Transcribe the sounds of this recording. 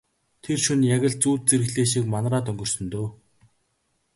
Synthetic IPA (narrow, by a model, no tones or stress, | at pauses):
t̪ʰerʃunjaɣʲɪ̆ɮt͡suːt̪̚t͡seɾɘ̆ɣɮeːʃiːk̚manraːt̪ɵŋɡɵ̆r̥sɵ̆nt̪oː